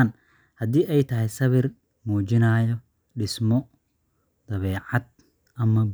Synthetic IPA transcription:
n | hɐd̪iːʔɛjt̪ʰɐɦɛjsɐβɪr | muːd͡ʒɪnaːjɔ | ɖɪsmɔ | d̪̥ɐβɛːʕad̪̚ | ʔɐmɐ

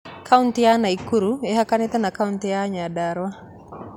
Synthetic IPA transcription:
kʰauntijanaikuɾueɦakanet̪anakauntijaɲadaɾwa

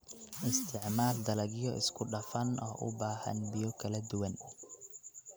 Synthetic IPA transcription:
ʔɪst̪ʰɪʕmaːld̪ɐlɐɣjɔʔɪ̰skʰʊɖɐfɐnɔ̰ːʔʊ̰baːhɐ̰nbɪjɔkʰɐlɐd̪ʊwɐn

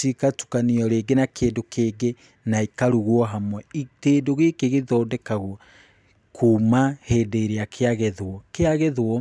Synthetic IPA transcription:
ikatu̥kaniɔɾeɡenakʰeːndokʰeːɡe | naikaɾuɣwɔɦamwɛiteːdoɣeːkeɣeðɔːdɛkaɣwɔ | kʰuːmaheːdeiɾeakʰeaɣɛðwɔkeaɣɛðwɔ

